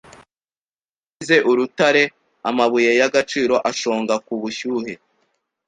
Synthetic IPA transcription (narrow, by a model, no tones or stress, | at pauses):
ize̞ʔuɾutaɾe̞ | amaβujejaɡat͡ʃiːɾo̞ʔaʃo̞ːŋɡakuβuçuːhe̞